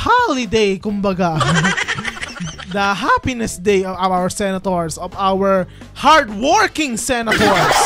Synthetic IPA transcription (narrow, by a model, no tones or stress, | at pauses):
halɪd̪ejkʊmbɐɡa | d̪ɐɦapɪnɛsd̪ejɔvaawɛɹsɛnɐt̪oɹsɔvawɛɹ | haɹd̪wɔɹkɪ̃ŋsɛnɐt̪oɹs